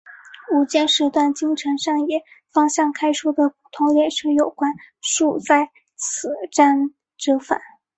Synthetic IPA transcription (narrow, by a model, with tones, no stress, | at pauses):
u˨˩t͡ɕjɛ˥˩nʂɻ̩˧˥t̪wa˥˩nt͡ɕi˥ŋʈ͡ʂʰɤ˧˥ŋʂɑ˥˩ŋjɛ˨˩˦ | fɑ˥ŋɕjɑ˥˩ŋkʰa˥ɪʂu˥˩d̪ə˨˩pu˨˩t̪ʰʊ˧˥ŋljɛ˨˩nʂɤ˥jo˨˩ʊkwa˥nʂu˥˧t͡sa˥˩ɪ | t͡s̩ʰ˨˩ʈ͡ʂa˥n | ʈ͡ʂɤ˥fa̰˨˩˦n